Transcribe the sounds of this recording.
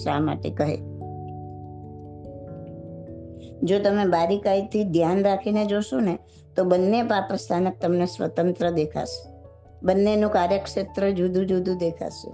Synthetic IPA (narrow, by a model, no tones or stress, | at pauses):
ʃa̰ma̰ʈḛkəɦḛ | d͡ʒot̪əmebaɾikait̪ʰid̪ʱjanɾakʰined͡ʒoʃone | t̪obənːepapɾəst̪ʰanək̚t̪əmnesʋə̰t̪ənt̪ɾəd̪ekʰa̰ʃe̥ | bənːenũkaɾjəkʃet̪ɾəd͡ʒud̪ʱũd͡ʒud̪ʱũd̪ekʰa̰ʃḛ